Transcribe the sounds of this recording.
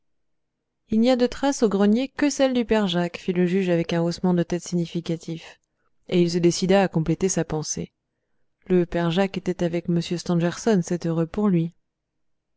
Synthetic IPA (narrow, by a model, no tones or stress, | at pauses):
ilniad̪ət̪χasoɡʁənjekəsɛld̪ypɛʁʒakfiləʒyʒavɛkɛ̃osmɑ̃d̪ət̪ɛt̪siɲifikat̪ʰif | eils̬əd̪esid̪aːkɔ̃plet̪esapɑ̃sḛ | ləpɛʁʒaket̪ɛt̪avɛkməsjøst̪ɑ̃ʒɛʁsɔnsɛt̪øʁøpuʁlɥi